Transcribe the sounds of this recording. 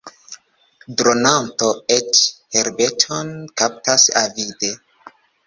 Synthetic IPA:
dɾonantoet͡ʃheɾbe̞tʰonkap̚tasavide

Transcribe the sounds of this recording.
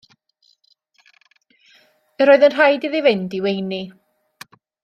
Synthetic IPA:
əɾoːɨðənr̥ajdiðivɪndiwejni

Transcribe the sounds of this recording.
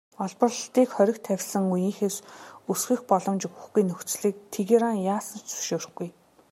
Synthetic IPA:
ɔɮpə̆ɮt̪iːkχœɾʲɪ̆kt̪ʰæwʲsə̆ŋujĭːŋxesusxĭxpɔɮɞ̆mt͡ɕɵɣɵ̆xɡujnɵxt͡sɮiːk̚t̪ʰeɣeɾaŋjaːsə̆nt͡sɵ̥ʃoːr̆xɡuj

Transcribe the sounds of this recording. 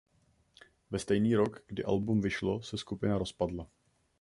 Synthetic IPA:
vɛst̪ɛjniːɾo̞kɡ̥dɪ̰ʔa̰lbumvɪʃlo̞sɛskupɪnaɾo̞spadla

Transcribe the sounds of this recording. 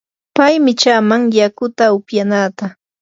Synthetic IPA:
pajmɪt͡ʃaːmaŋjakʊt̪aʊpjanaːt̪a

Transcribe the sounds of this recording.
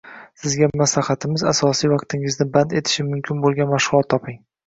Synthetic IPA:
sɪzɡʲamaslaχat̪ʰɪmɪzasɒsijvɑqt̪ʰɪŋɪznɪband̪e̞t̪ʰɪ̥ʃɪmʊmkʲʰɪnbolˠɡʲanmaʃʁʊlˠɒt̪ʰːɒpɪŋ

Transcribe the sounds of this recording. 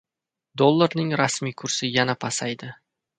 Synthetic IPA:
d̪olˠːaɾnɪŋɾasmijkʰʊɾsɪjanapʰɑsajd̪ɪ

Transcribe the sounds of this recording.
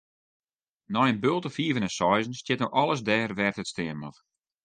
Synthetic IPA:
nɔjənbølˠtəfiːəvənɛnsɔjzən̩stjɛtnowʔɔlˠəs̬dɛːrʋɛrtətstɪənmɔf

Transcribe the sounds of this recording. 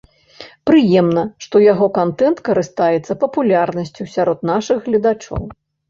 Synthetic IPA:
pɾɨjɛmnɐʂt̪ɔjaɣɔkant̪ɛnt̪kɐɾɨst̪ajɛt̪sːɐpɐpulʲarnɐsʲt͡sʲusʲaɾɔt̪naʂɨɣːlʲɐd̪at͡ʂɔ̰w

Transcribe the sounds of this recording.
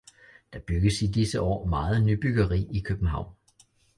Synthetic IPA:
d̥ɑ̈b̥yɡ̥əsidisəʔɒ̰ːmɑ̈ːð̩ˠnyb̥yɡ̥ɐʁḭːikʰøb̥n̩ɦɑ̈ʊ̰n

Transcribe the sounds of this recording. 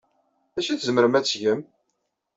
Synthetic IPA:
æʃiθzməɾəmæt͡sːʝəm

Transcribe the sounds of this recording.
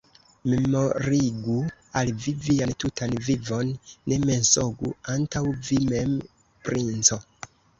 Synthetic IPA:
me̞moɾiɡu | alviviantutʰanvivo̞nːe̞me̞nsoɡuantawvimem | pɾint͡so̞

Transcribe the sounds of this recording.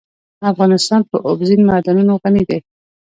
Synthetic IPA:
afɣɑnɪst̪ɑnpəʔobzinmad̪anunoɣanid̪aj

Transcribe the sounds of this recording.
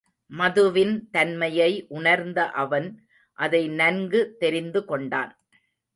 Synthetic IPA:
mɐðɯʋɪnt̪ɐnmɐjɐɪʔʊɳɐɾnd̪ɐʔɐʋɐn | ʔɐðɐɪnɐnɡɯt̪ːɛɾɪnd̪ɯkɔɳɖa̰ːn

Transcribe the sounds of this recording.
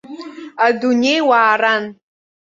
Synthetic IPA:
aduɲejwaːran

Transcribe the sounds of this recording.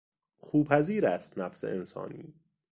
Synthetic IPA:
xuːpʰæziːɾæst̪næfsḛʔensɒ̰ːniː

